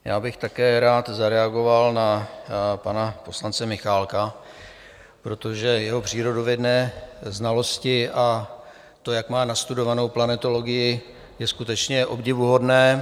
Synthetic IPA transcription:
ja̰ːbɪxt̪akɛːɾaːt̪zaɾɛaɡo̞valna | panapo̞slant͡sɛmɪxaːlka | pɾo̞t̪o̞ʒɛjɛɦo̞pr̝̥iːɾo̞dovjɛdnɛːznalo̞scɪʔa | t̪o̞jakmaːnast̪udo̞vano̞wplanɛt̪o̞lo̞ɡɪjɪ | jɛskut̪ɛt͡ʃɲɛʔo̞bɟɪvuɦo̞dnɛː

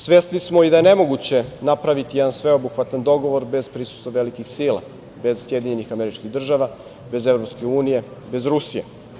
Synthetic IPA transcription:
sʋe̞st̪nismoid̪aje̞ne̞mo̞ɡut͡ɕe̞napɾaʋit̪ijɛd̪ansʋe̞obuxʋat̪and̪o̞ɡoʋo̞ɾbe̞z̥pɾisu̥st̪ʋaʋelikixsiːlˠa̰ | be̞z̥sje̞d̪iɲe̞nixameɾit͡ʃkiɣd̪r̩ʒaʋa | be̞zevɾo̞pske̞uːnije̞ | be̞zɾusijḛ

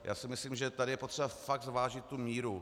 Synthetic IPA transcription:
jʔa̰ːsɪmɪsliːmʒɛt̪adɪjɛpor̥ɛbafaɡ̪̚zvaːʒɪt̪ːumiːɾu

